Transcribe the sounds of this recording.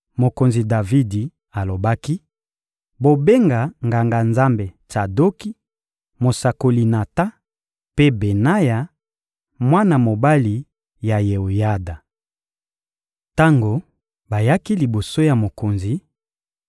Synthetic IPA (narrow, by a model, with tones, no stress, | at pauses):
mo˨ko˨nzi˨da˨vi˦di˨ | a˨lo˨ba˦ki˦ | bo˨be˦ŋɡa˨ŋɡa˨ŋɡa˨nza˦mbe˨t͡ʃa˨do˦ki˦ | mo˨sa˨ko˨li˨na˨ta˦ | pe˦be˨na˦ja˨ | mwa˦na˨mo˨ba˦li˨ | ja˨je˨o˨ja˦da˨ | ta˦ŋɡo˨ | ba˨ja˦ki˦li˨bo˨so˦ja˨mo˨ko˨nzi˨